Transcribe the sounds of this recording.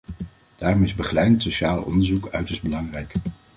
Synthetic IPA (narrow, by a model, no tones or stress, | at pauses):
d̥aːrɔmɪzbəχlɛjntsoʃaːlˠɔ̰ndəɹzukœɥtəɹsdbəlɑŋrɛjk